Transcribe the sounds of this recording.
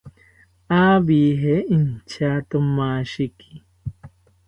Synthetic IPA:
aːbiːɦeint͡ʃʰaːt̪omaːʃikʰi̥

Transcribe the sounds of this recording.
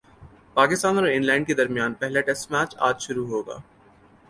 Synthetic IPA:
paːkɪst̪aːnɔːɾɪnlɛ̃ːɳɖked̪ɐɾmijaːnpɛɦlaʈɛsʈmæːt͡ʃa̰ːd͡ʒʃʊɾuɦoːɡa̰ː

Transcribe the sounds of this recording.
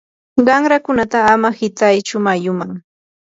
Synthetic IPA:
ɢɑŋɾakʊnat̪aːmahɪt̪ajt͡ʃʊmajʊmaŋ

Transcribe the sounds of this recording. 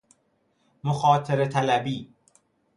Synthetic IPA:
moxɒːt̪ʰeɾet̪ʰælæbiː

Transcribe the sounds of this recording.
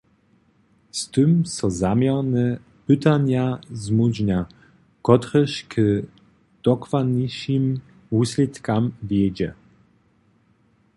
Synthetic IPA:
st̪ɨmsɔ̃zamʲjaɾnɛ | pɨt̪aɲazmud͡ʑɲa | kɔt̪ɾɛɕkɘ | d̪̥ɔkvaniɕim | usʲlʲit̪kamvʲjɛd͡ʑɛ

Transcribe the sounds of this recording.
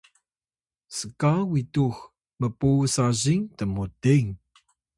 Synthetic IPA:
səkawitux | məpusaʑiŋtəmutiŋ

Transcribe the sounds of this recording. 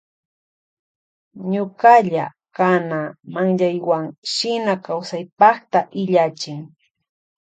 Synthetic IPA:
ɲokaʎa̰ | kanamaŋʎajwaŋʃɪnakawsajpɑχt̪aʔɪʎat͡ʃɪŋ

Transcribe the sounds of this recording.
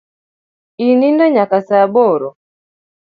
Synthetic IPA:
inindɔɲakasabɔɾɔ

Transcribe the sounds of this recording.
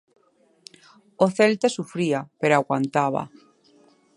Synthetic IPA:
oθelt̪asufɾiapeɾoaɣwant̪aβa̰

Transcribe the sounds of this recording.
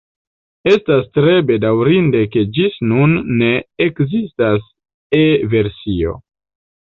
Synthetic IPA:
e̞stastɾe̞be̞dawɾinde̞ke̞d͡ʒisnunːe̞ekzistas | eve̞ɾsio̞̰

